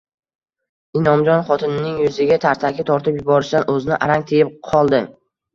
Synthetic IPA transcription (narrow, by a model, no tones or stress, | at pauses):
ɪnɒmd͡ʒɒnχɒt̪ʰɪnɪnɪŋjʊzɪɡʲat̪ʰaɾt̪ʰakʲʰɪt̪ʰɒɾt̪ʰɪpjʊbɒɾɪʃd̪anʔɵzɪnɪʔaɾaŋt̪ʰejɪp̚qʰɒlˠd̪ɪ